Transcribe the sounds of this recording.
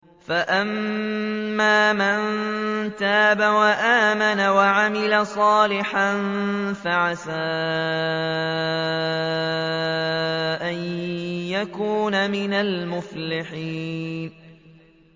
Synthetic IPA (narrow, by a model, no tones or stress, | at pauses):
faʔamː | aːmant̪aːbawaʔaːmanawaʕamɪlasˤɑːlɪħan | faʕasaː | ʔanjakuːnamɪnalmʊflɪħiːn